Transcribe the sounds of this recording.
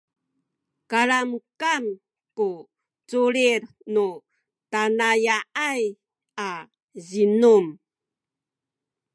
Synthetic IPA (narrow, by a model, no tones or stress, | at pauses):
kaɾamkam | ku | t͡suɾiɾ | nu | tanajaʔaj | a | zinum